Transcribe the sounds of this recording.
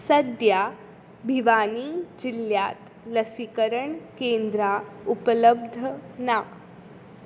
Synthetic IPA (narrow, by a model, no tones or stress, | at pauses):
sɐd̪jaː | bʱiʋaːniːd͡ʒiljaːt̪ | lɐsikəɾəɳkẽːnd̪ɾaːupələb̚d̪ʱənaː